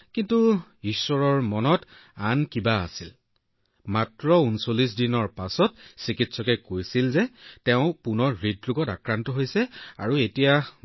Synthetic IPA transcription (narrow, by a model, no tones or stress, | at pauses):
kintuisɔɹɔɹmɔnɔtankibaa̰sil | matɹɔunsolis̬dinɔɹpasɔtsikitsɔkɛkojsilzɛtɛʊ̃punɔɹɹidɹuɡɔtakɹantɔɦojsɛa̰ɹuetija